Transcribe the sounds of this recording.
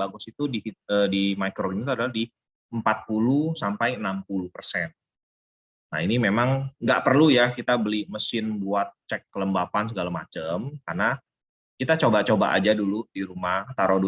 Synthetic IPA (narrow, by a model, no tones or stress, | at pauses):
baɡʊsit̪udiədimakɾoinit̪uadalahdi | əmpat̪̚pulusampajənampulupərsɛn | na̰inimemaŋɡaʔpərlujakit̪abəlihməsɪnbuat̪̚t͡ʃɛkːələmbapans̬əɡalama̰t͡ʃəmkarna | kit̪at͡ʃobat͡ʃoba̰ʔa̰d͡ʒaduludiɾumaht̪aɾɔdu